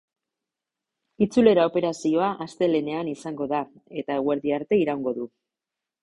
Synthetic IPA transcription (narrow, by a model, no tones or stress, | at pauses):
it͡sule̞ɾao̞pe̞ɾasio̞aʔast̪e̞le̞ne̞anisaŋɡo̞ða | e̞t̪aeɣwe̞ɾðiaɾt̪e̞iɾawŋɡo̞ðu